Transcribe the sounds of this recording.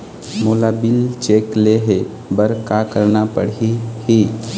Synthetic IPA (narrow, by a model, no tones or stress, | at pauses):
molabilt͡ʃekleɦe | bəɾkakəɾɳapə̰ɽihi